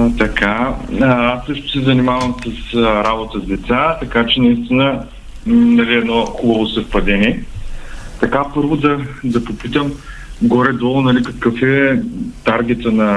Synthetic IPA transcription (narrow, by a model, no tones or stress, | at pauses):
t̪ɐkʰa | asːɤʃt̪ʊ̥sɛzɐnimavəmsəsɾabot̪əzd̪ɛt̪sat̪ɐkat͡ʃɛnɐist̪inə | nɐliɛd̪nɔxubəvosɛfpɐd̪ɛnʲiɛ | t̪ɐkapɤɾvod̪ɐd̪ɐpopit̪əmɡoɾɛd̪ɔlˠʊnɐlikɐkɤfɛt̪aɾɡʲɛt̪ənɐ